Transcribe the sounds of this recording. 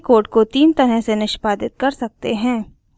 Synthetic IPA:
koːʈkot̪iːnt̪ɐɾəɦsenɪʃpaːd̪ɪt̪̚kɐɾsɐk̚t̪eɦɛ̃ː

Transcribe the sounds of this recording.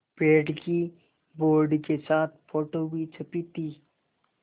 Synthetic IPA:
peːɖki | boːɾɖkesaːt̪̚ʰfʰoːʈowit͡ʃʰəpit̪i

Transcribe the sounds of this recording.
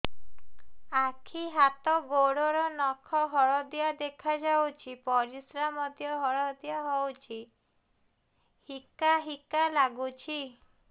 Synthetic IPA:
akʰiɦat̪ɔɡoɽɔɾɔnɔkʰɔɦɔɭɔd̪jad̪ekʰad͡ʒawt͡ʃʰipɔɾisɾamɔd̪ʱjɔɦɔɭɔd̪ijaɦɔwt͡ʃʰi | hikaɦikalaɡut͡ʃʰi

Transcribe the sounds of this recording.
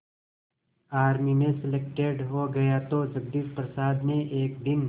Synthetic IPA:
aːɾmimẽsɪlek̚ʈeɖɦoɡɐjat̪od͡ʒɐb̚d̪it̪pɾɐsaːd̪neʔeːk̚d̪ɪn

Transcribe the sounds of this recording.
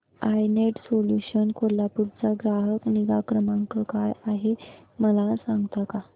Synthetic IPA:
ajneʈsoljuɕənkolapuɾt͡saɡɾaɦəkniɡakɾəmãŋkəkajaɦeməlasãŋɡt̪aka

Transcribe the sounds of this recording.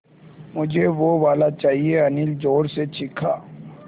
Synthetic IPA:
mʊd͡ʒʱeʋoʋaːlat͡ʃaːɦieɐnɪld͡ʒoːɾset͡ʃɪkʰaː

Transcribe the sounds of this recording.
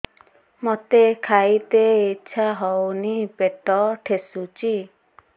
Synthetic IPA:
mot̪ekʰajt̪eitːʃʰaɦɔwnipeʈɔʈʰesut͡ʃi

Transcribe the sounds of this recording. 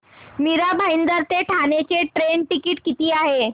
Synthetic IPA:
miɾabʱaind̪əɾt̪eʈʰanet͡ɕeʈɾeɳʈikiʈkit̪iːaɦe

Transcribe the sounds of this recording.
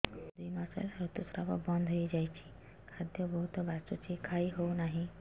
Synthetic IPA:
d̪uimasḛlɾut̪usɾapɔ̰bə̃nd̪ʱɦoed͡ʒajt͡ʃʰi̥ | kʰad̪jɔbɔɦut̪ɔbat͡ʃot͡ʃʰikʰaiɦonaɦĩ

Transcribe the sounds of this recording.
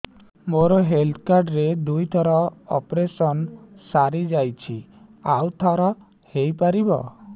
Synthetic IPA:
moɾɔɦelt̪ʰkaɾɖɾed̪ujt̪ʰɔɾɔɔpɾesɔnsaɾid͡ʒajt͡ʃʰi | awt̪ʰɔɾɔ | hejpaɾibɔ̰

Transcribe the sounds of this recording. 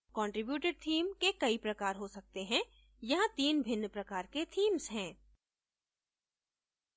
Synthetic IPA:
kɔ̃ːɳʈɾɪbjuːʈeɖ̚t̪ʰiːmkekɐipɾɐkaːɾɦosɐk̚t̪eɦɛ̃ | jɐɦãt̪iːnbʱɪnːpɾɐkaːɾket̪ʰiːmsɦɛ̃ː

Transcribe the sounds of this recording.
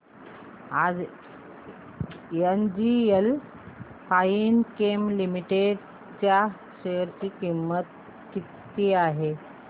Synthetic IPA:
ad͡z | jend͡ʑiel | fainkemlimiʈeɖ | t͡ɕja | ɕejəɾt͡ɕiːkimːət̪ | kit̪ː | iaɦe

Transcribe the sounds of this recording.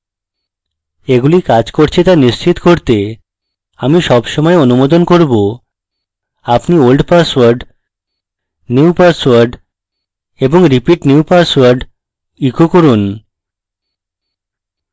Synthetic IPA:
eɡulikad͡ʑkoɾt͡ɕʰit̪aniʃt͡ɕit̪koɾt̪e | amiʃɔbʃɔmɔeonumod̪onkoɾbo | apniolɖpaswaɾɖ | niwpaɾswaɾɖ | eboŋɾipiʈniuupaɾswaɾɖ | ikokoɾun

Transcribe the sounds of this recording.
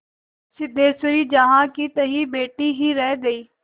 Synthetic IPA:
sɪd̪ʱeːsʊɾiːd͡ʒɐɦãkit̪ɐɦibeːʈiɦiɾɛ̃d̪ɐiː

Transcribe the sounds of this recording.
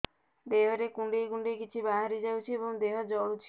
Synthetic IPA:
d̪eɦɔɾekuɳɖejkuɳɖekit͡ʃʰibaɦaɾid͡ʒawt͡ʃʰiebɔŋd̪eɦɔd͡ʒɔɭut͡ʃʰi

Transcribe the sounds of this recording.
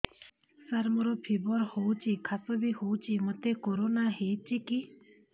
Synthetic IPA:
səɾməɾopʰiboɾhout͡ʃikʰasobʱihoːut͡ʃimət̪ekoɾoːnaɦeːt͡ʃiki

